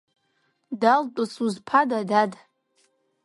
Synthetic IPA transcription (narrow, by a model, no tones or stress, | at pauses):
daltʷʼʊsuzpʰadadad